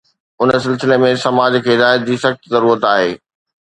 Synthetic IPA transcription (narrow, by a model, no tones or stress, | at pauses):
ʊnəsɪlsɪlemẽsɐmaːd͡ʑkʰeːɪd̪aːɪjət̪̚d͡ʑiːsɐxt̪zɐɾuːɾət̪aːɦeː